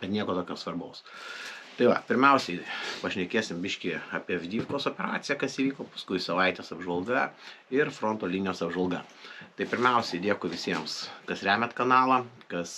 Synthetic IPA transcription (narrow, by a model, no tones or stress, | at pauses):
bʲɛt̪nʲiɛkoːt̪oːkʲoːsʋɐrboʊst̪ɐɪʋɐpʲɪɾʲmʲɛʊsʲɛɪpɐʃʲnʲɛkʲeːsʲɪmbʲɪʃʲkʲiɑːpʲiɛʋʲd̪ʲiːfʲkoːsoːpʲɛɾɑ̰ːt̪sʲɪjɛkɐsiːʋʲiːkoːpɐ̥skʊɪsɐʋɐɪt̪ʲeːsɐbʒʋɐlˠɡɐ | ɪrfɾoːnt̪oːlʲiːnʲɪjoːsɐbʒɐlˠɡɐ̰ | t̪ɐɪpʲɪɾʲmʲɛʊsʲɛɪd̪ʲiɛkʊʋʲɪsʲiɛmskɐsɾʲæːmʲɛt̪kɐnɑːlˠɐkɐs